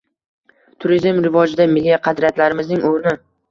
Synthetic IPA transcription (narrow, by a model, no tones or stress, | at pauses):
t̪ʰʊɾizmɾɪvɒd͡ʒɪd̪amɪlːijaqʰɑd̪ɾijat̪laɾɪmɪznɪŋoɾnɪ